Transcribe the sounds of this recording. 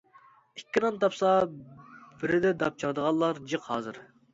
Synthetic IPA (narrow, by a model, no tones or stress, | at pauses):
ikʲːinɑnt̪ʰɑpsɑ | bɪɾɪd̪ɛd̪ɑp̚t͡ʃʰɑɾd̪əʁɑlˠlˠɑɾd͡ʒəqhɑ̰ːzɨɾ